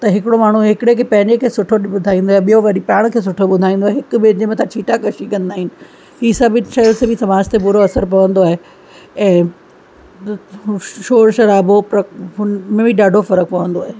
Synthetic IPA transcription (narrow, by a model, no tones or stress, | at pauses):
t̪ɐɦɪkɪɽomaːɳ̤uɦɪkɪɽekʰeːpɐ̃ɦɪ̃ɲd͡ʑekʰeːsʊʈʰoɓʊd̪ʱaːĩːnd̪oːɦeɓijoʋɐɗipaːɽ̃kʰeːs̬ʊʈʰoɓʊd̪ʱaːĩːn̆d̪oaːɦeɦɪkʊbed͡ʑemẽt̪ʰãt͡ɕʰiːʈakɐʃikɐ̃nd̪aːɦɪnɪ̆ | iːsaːbɪʃaːjsebisɐmaːd͡ʑt̪epʊɾoɐsəɾp̬ɐʋə̃nd̪oaːɦe | ɛ̃ː | ʃoːɾʃɐɾaːbopɾɐɦʊnmẽbʱiɗaːɖʱofɐɾək̚pɐʋə̃nd̪oaːɦe